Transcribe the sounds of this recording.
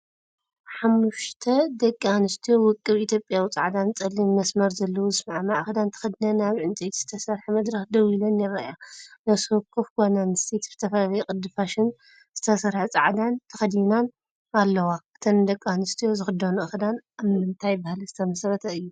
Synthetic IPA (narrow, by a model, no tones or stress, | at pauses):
ħamːuʃt̪ʰɐd̪ɐkʼːanɨst̪ʰijo̞wɨkʼːɨβʔit̪ʰjo̞pʼjawit͡sʼaʕd̪ant͡sʼɐlːimːɐsmɐɾzɐlːɐwuzɨsmaʕmaʕɨxd̪ant̪ʰɐ̥xɐd̪inanaβʕɨnt͡s̪ʼet̪ʰz̥ɨt̪ʰɐsɐɾħamɐd̪ɾɐxd̪ɐwilɐnjɪrajanasɨkʰːɨfɡonanɨst̪ʰet̪zɨ̥t̪ʰɐfɐβɐjkʼɨd̪ɨfaʃɪn | z̥ɨt̪ʰɐsɐɾħat͡sʼɐʕd̪ant̪ʰɐxɐd̪jinan | alːɐwaɨ̥t̪ʰɐnd̪ɐkʼːanɨst̪ʰijo̞zɨxɨd̪ɐnuʔɐxɨd̪anaβmɨnt̪ʰajbahlzɨt̪ʰɐmɐsɾɐt̪ʰɐɨjːu